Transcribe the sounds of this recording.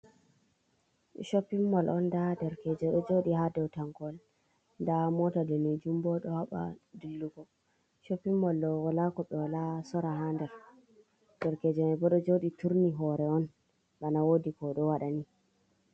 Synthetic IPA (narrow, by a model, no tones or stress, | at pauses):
ʃopːimːɔlɔndadɛɾkɛd͡ʒɛɗɔd͡ʒoɗihadɛwtaŋɡɔl | ndamɔtadonid͡ʒumbɔɗɔhaɓa̰dulːuɡɔ | ʃopːimːɔlɗɔwɔlakɔɓɛwalasɔɾaɦandɛɾ | d̥ɛɾkɛd͡ʒɛmɛbɔɗɔd͡ʒoɗituɾniɦɔɾɛɔn | ɓanawodikɔɗɔwaɗani